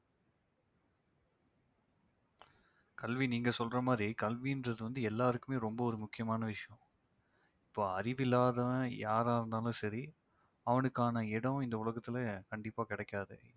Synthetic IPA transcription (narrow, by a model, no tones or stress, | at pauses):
kɐlʋiniːŋɡɐsɔlrɐmaːd̪ɾikɐlʋiɪndrɐðɯʋɐnd̪ɯɛlːaːɾɯkːɯmeːɾɔmbɐɔɾɯmʊkːɪjɐmaːnɐʋɪʂɐjɐ̃ | ɪpːoːɐɾɪʋɪlːaːðɐ̃jaːɾaːɪɾɯnd̪aːlʊ̃sɐɾi | ɐʋɐnɯkːaːnɐɪɽɐ̃ɪnd̪ɐʊɭɐɣɐt̪ːɪlɐkɐɳɖɪpːaːkɪɽɛkːaːðɯ̰